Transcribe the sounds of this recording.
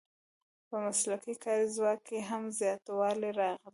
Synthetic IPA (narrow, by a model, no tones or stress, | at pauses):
pəmaslakikɑɾizwɑkːeɦamzjɑt̪wɑleɾɑɣl